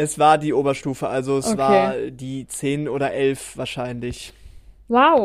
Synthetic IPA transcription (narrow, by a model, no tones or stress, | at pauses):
ʔɛsv̥aːɐdiːʔoːbɐʃtuːfəʔalzoɛsʔv̥aːɐdiːt͡seːnʔoːɾɐʔɛlfv̥aːɐʃaɪnlɪçwaʊ